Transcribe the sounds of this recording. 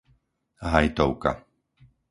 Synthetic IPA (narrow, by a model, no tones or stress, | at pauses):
ɦajt̪ɔʊka̰